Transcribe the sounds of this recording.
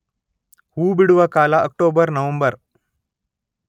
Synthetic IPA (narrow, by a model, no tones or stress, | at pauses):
huːbiɽuʋɐkaːlɐʔɐk̚ʈoːbɐɾnɐʋɐmbɐɾ